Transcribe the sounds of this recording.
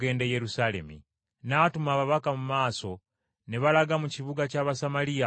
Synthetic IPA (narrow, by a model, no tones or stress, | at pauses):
e̞ːndeje̞ɾusale̞̰mḭ | natumaːβaβakamumaːso̞ | neβalaɡamuciβuɡacaːβasamalija